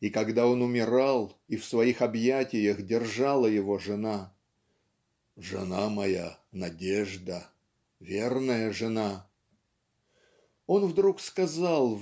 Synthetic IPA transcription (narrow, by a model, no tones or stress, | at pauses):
ikɐɡd̪ao̞nʊmʲɪɾalˠifsvɐixɐbjætʲɪjəxdʲɪrʐalˠəjɪvo̞ʐɨna | ʐɨ̰namɐjanɐdʲeʐd̪ə | vʲernəjəʐɨna | o̞nvd̪ɾukskɐzalˠ